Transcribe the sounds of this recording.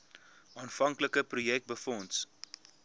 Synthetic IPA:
ʔɑːnfɐŋkləkəprujɛk̚t̚bəfɔnts

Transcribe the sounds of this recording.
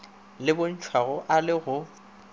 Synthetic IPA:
lɪbʊn̩t͡ʃʰwaɣʊʔalɪɣʊ

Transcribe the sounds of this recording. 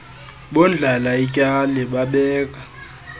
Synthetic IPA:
ɓɔnd͡ɮʱalaicʼanɛɓaɓɛːk̬ʼa

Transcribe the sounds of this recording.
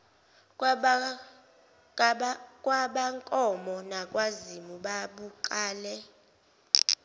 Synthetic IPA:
kʼwaɓaŋkʼɔmɔnakʼwazimuɓaɓuǃaːlɛ

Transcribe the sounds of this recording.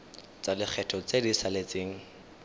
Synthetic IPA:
t͡salɪk͡xʰɛtʰɔt͡sedisalet͡seːŋ̩

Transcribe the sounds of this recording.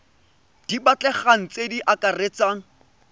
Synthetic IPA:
d̥ibat͡ɬʼɛχaŋ̩t͡sediʔakaret͡saːŋ̩

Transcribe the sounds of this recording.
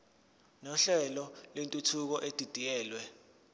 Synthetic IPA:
nɔɬɛlɔlwentʼutʰuk̬ɔʔed̥ʱid̥ʱijɛːlwɛ

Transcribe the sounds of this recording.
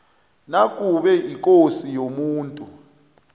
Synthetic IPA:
nak̬ʼuɓɛik̬ʼosijomuːntʼu

